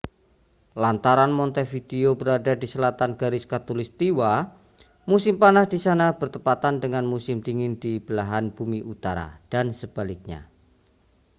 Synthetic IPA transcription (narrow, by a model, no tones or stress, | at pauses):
lant̪aɾanmɔnt̪efideobəɾadadisəlat̪anɡaɾɪskat̪ulɪst̪iwa | musɪmpanahdisanabərt̪əpat̪andəŋanmusɪmdiŋɪndib̥əlaɦanb̥umiʔut̪aɾa̰d̥ansəb̥alɪk̚ɲa̰